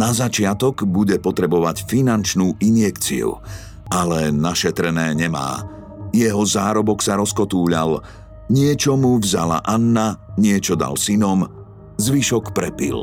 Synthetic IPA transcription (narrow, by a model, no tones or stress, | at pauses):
nazat͡ʃɪat̪ɔɡbuɟɛpɔt̪ɾɛbɔʋacfinant͡ʃnuːʔinjɛkt͡sḭṵ | alɛnaʃɛt̪ɾɛnɛːɲɛma̰ː | jɛɦɔzaːɾɔbɔksaɾɔskɔt̪uːʎa̰l | ɲɪɛt͡ʃɔmuvza̰la̰ʔanːaɲɪɛt͡ʃɔd̪a̰lsinɔm | zʋiʃɔkpɾɛpḭl